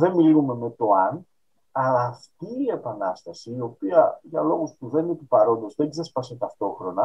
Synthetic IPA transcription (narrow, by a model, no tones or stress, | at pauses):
ðe̞milume̞me̞t̪o̞ɐn | ɐlɐːft̪iːe̞pɐnɐst̪ɐsiːo̞piɐʝɐlo̞ɣuspuðe̞nit̪upɐɾo̞nd̪o̞zðe̞ɡze̞spɐset̪ɐft̪o̞xɾo̞nɐ